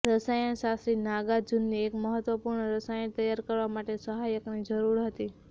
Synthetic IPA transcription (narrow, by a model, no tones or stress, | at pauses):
ɾəsajənʃasɾinaɡad͡ʒunːiekməɦət̪ʋəpuɾɳəɾəsajənt̪əjaɾkəɾʋamaʈesəɦajəknid͡ʒəɾuɾɦət̪i